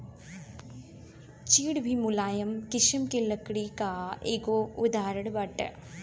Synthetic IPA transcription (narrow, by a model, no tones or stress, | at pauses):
t͡ɕiːɽbʱimulaːjɐmkiʂɐmkilːɐkːɽikaːʔeɡoːud̪aːɾɐɽɨbɐʈːɐ̰